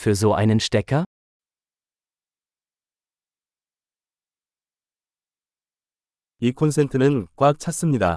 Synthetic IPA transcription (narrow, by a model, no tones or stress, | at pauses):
fyɐzoʔa̰ɪnənʃtɛkʰɐ | ikʰons̬entʰɯnɯnk͈wak̚t͡ɕʰat̚s͈ɯmɲida̰